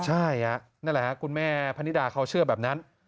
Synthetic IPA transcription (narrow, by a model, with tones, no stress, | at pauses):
t͡ɕʰa˥˩jha˧˩ʔ | na˥˩nlɛ˨˩a˦˥kʰu˧nmɛː˥˩pʰa˧ni˦˥daː˨˧˩kʰa˦˥wt͡ɕʰɯ˥˩ɐbɛː˨˩p̚na˦˥n